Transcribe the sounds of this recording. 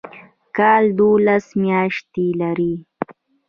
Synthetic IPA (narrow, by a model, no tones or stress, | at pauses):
kɑːld̪olasmjɑːʃt̪ilaɾi